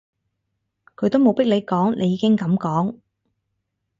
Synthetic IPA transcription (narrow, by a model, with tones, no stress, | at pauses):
kʰɵ˨˧˥t̪o˥wmo˨˧wpɪ˥k̚le˨˧jkɔː˨˥ŋnʔe˨˧jːiː˨˧kɪ˥ŋkɐ˨˥mkɔː˨˥ŋ